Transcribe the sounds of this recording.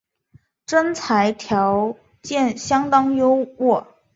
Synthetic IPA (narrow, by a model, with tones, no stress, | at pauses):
ʈ͡ʂə˥nt͡sʰa˧˥ɪt̪ʰjɑ˧˥ʊ | t͡ɕjɛ˥˩nɕjɑ˥ŋt̪ɑ˥ŋjo˥ʊwɔ˥˩